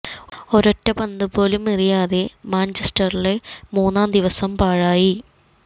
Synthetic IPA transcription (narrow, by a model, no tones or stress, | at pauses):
o̞ɾotːɐbɐnd̪upo̞ːlumirijaːðe̞maːnt͡ɕesʈɐrilemuːnːaːnd̪iʋɐsɐmpaːɻaːji